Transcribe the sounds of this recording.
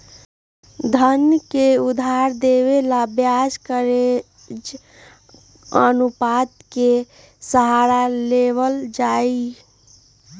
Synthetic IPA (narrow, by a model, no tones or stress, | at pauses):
d̪ʱənkeud̪ʱaɾd̪eʋelabjad͡ʒkəɾe | ənupat̪ke | səɦaɾaleʋəld͡ʒai